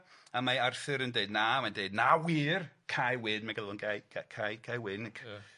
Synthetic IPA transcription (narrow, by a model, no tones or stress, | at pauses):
amaarθɨɾəndeɨdnamandeɨdnawirkʰajwɪnmaɡəlˠɔnɡajʰakʰajkʰajwɪnkʰ